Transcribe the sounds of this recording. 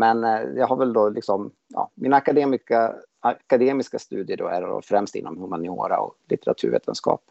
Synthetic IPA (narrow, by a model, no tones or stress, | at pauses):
mɛnjɑɦaɾvɛld̪ɔlɪksɔm | jɑ̰ːminaːkad̪eːmɪka | akad̪eːmɪskast̪ʉ̟ːd̪ɪəɖɔæɾɔ̰fɾɛmst̪ɪ̰nːɔmhɵmanɪoːɾa̰ɔ̰klɪt̪ɛɾat̪ʰʉɾvḛːt̪ʰənskɑ̰ːp̚